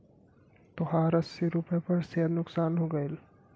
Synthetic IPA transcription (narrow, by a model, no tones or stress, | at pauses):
t̪ɔɦaːɾɐsːiɾʊpepɐɾseːəd̪nʊksaːnɦoːɡɐel